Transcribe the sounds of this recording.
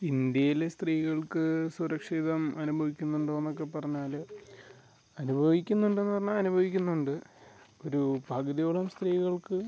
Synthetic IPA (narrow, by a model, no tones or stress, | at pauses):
ind̪jɐjilest̪riːɣɐɭkɨsuɾɐkʂiðɐmɐnubʱɐʋikʲːunːuɳɖoenːo̞k̬ːe̞pːɐrɐɲːaːl | ɐnubʱɐʋikʲːunːuɳɖenːɨpɐrɐɲːaɐnubʱɐʋikʲːunːuɳɖɨ | o̞ɾubʱɐɡɐðijoɭɐmst̪riːɣɐɭkɨ